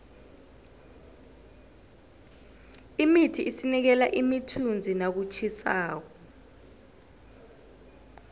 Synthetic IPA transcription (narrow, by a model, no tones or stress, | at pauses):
imitʰiʔisinik̬ɛla̰ʔimitʰund͡zʱinak̬ut͡ʃʰisaːk̬ɔ